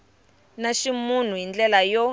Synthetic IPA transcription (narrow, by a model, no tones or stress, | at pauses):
naʃimun̤ujind͡ɮɛlajɔ